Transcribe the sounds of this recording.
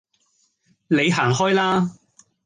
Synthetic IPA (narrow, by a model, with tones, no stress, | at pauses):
ne˨˧jɦaː˨˩ŋɦɔː˥jlaː˥